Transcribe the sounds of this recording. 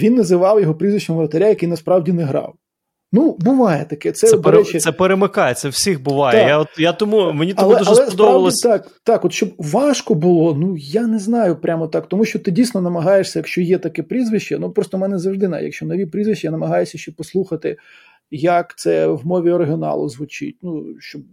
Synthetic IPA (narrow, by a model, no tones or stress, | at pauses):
ʋʲinːɐzɪʋɑwjɔɦɔpɾʲizʋɪt͡ʃnɔmʋɾɐt̪ɐɾʲajɐkejnɐspɾɑwdʲinɛɦɾɑ̰w | nubʊʋɑjɛt̪ɐkɛt̪sɛɔd̪ɾɛt͡ʃɪsɛpeɾemɪkajɛt̪sɛwsʲixbʊʋɑj̪ɛjat̪jat̪ʊmumenʲitlˠɛuʒɐlˠɛɔd̪ɔbɐlˠɔt̪ɑk̚ | t̪ɑkɔt̪ʃt͡ʃɔbʋɑʃkɔbʊlˠɔnujanɛznɑjʊpɾʲʔamɔt̪ɑkt̪ɔmuʃt͡ʃɔt̪ɪdʲijsʲnɔnɐmɐɦɑjeʂsʲɐjɐkʃt͡ʃɔjɛt̪ɐkɛpɾʲizʋɪʃt͡ʃɛnupɾɔst̪ɔmɛnɛzɐwʐd̪ɪnɑ̰jɐ̰kʃt͡ʃɔnɔʋʲipɾʲizʋɪʃt͡ʃːɪjanɐmɐɦɑjʊsʲɐʃt͡ʃɛpɔslˠuxɐt̪ɪ | jɐkt̪sɛwmɔʋʲiɔɾeɦʲinɑ̰lˠʊ̰zʋʊt͡ʃɪ̰t̚ʲnuʃt͡ʃɔb̚